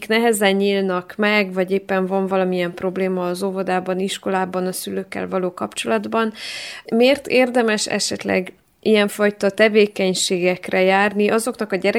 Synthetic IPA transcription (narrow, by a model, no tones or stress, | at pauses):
knɛɦɛzɛɲːiːlnɒkmɛɡvɒɟeːpːɛɱvɒɱvɒlɒmiɛmpro̞bleːmɒːzovod̪aːbɒniʃko̞laːbɒnɒsyløːkːɛ̰lvɒloːkɒpt͡ʃo̞lɒd̪bɒnmeːrt̪eːrd̪ɛmɛʃɛ̰ʃɛ̰t̪lɛ̰ɡ | ijɛɱfɒjt̪ɒt̪ɛveːkɛɲʃeːɡɛkrɛjaːrniʔɒzo̞knɒkɒɟɛɾɛ